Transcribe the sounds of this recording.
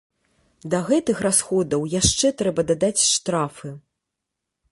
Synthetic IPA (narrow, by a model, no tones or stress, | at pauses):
d̪ɐɣɛt̪ɨxrasxɔd̪ɐwjaʂt͡ʂɛt̪ɾɛbɐd̪ad̪at͡sʲʂt̪ɾafɨ